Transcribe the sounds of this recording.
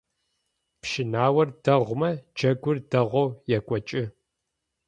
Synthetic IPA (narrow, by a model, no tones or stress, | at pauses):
pʃɪnaːwɐrdɐʁʷmɐd͡ʒɐɡʷʊrdɐʁʷɔwjɛkʷʼɔt͡ʃʼɪ